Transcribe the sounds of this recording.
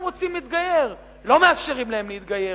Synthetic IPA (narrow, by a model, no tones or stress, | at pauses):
ʁot͡simliːt̪̚ɡaje̞ʁ | lo̞meafʃeʁimlahemliit̪ɡaje